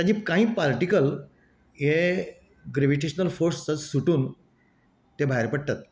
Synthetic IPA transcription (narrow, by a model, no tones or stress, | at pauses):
ad͡ʑiːpkãɦĩːpaɾʈikəl | je | ɡɾeʋiʈeɕnəlfoɾst͡sət͡ssuʈuːn | t̪ebʱaɦeɾpəɽt̪at̪̚